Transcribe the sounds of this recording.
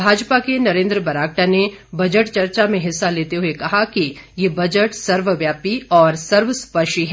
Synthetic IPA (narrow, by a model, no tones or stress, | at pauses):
bʱaːd͡ʒpakenɐɾẽːnd̪ɾəbɐɾaːk̚ʈane | bɐd͡ʒəʈt͡ʃɐɾt͡ʃamẽɦɪsːaleːt̪eɦʊekɐɦakijebɐd͡ʒəʈsɐɾʋəʋjaːpiɔːɾsɐɾʋəspɐʃiɦɛ